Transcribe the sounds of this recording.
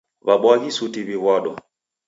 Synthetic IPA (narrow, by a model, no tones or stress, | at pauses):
βaɓwaɣisutiβiβɔɗɔ̰